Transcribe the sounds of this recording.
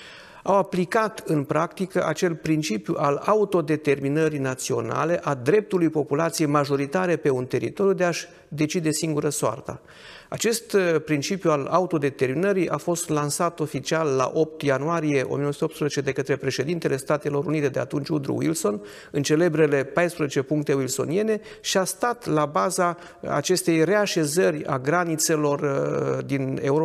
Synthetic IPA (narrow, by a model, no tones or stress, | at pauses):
awaplikat̪ɨnpɾakt̪ikəʔat͡ʃe̞lpɾint͡ʃipjuʔalaut̪o̞d̪e̞t̪e̞rminəɾinat̪sio̞na̰le̞ʔad̪ɾe̞p̚t̪ulujpo̞pulat̪sije̞jmaʒo̞ɾit̪aɾe̞pe̞unt̪e̞ɾḭt̪o̞ɾjud̪e̞aʃ | d̪e̞t͡ʃid̪e̞siŋɡuɾəsoa̰rt̪ə̰ | at͡ʃe̞st̪pɾint͡ʃipjuala̰ut̪o̞d̪e̞t̪e̞rminəɾiʔafo̞st̪lansat̪o̞fit͡ʃialːa̰ʔo̞p̚t̪januaɾije̞ʔomijenosut̪op̪t̪spɾəzet͡ʃed̪e̞kət̪ɾe̞pɾe̞ʃe̞d̪int̪e̞le̞st̪at̪e̞lo̞ɾṵnit̪e̞d̪ea̰t̪unt͡ʃʲud̪ɾṵwḭlso̞n | ɨnt͡ʃe̞le̞bɾe̞le̞pajspɾəzet͡ʃe̞puŋk̚t̪e̞wilso̞̰nie̞ne̞ | ʃiast̪at̪labaza | a̰t͡ʃe̞st̪e̞jre̞aʃe̞zərʲa̰ɡɾanit̪se̞lo̞rd̪ine̞̰uɾo